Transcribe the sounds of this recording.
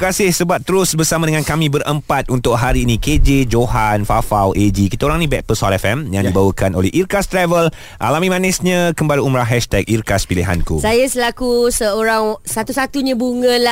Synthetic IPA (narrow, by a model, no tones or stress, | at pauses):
kasɪhsəbap̚t̪əɾʊsbərsamãdəŋãnkamĩbəɾʔəmpat̪̚unt̪ʊʔ̚ɦaɾiːnĩked͡ʒed͡ʒoɦanfafawʔed͡ʒikit̪aoɾaŋnĩbɛt̪̚pəsaɾɛfɛmjaŋdibawəkano̰lɛhirkast̪ɾɛvəl | ʔa̰lamĩmãnɛsɲãkəmbaɾaumɾaɦɛʃt̪ɛk̚irkaspiliɦa̰nkusajasəlakusəoɾaŋsat̪usat̪uɲãbuŋə̃la